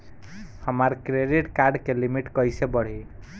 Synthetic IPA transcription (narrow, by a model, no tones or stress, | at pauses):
həmaɾkɾeɖiʈkaɾɖkelimiʈkəjsebəɽ̤i